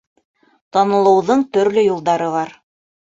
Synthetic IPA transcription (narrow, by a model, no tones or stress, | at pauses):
t̪ɑnɤ̆lˠɤ̆wðɤɴt̪ɵ̆ɾlɵjulˠd̪ɑɾɤβɑɾ